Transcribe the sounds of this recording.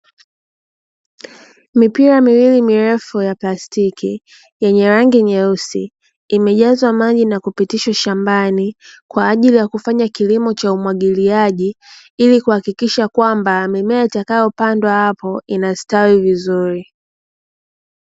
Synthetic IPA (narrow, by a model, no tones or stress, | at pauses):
mipiɾamiwilimiɾɛfujaplastikʰḭ | jɛɲɛɾaŋɡiɲɛusḭː | mɛʄazwamaʄinakupitiʃwaʃambanikwaːʄilijakufaɲakilimɔt͡ʃaumwaɠiliaʄi | ilikuhakikiʃakwambamimɛaitakajɔpandwahapɔinastawivizuɾi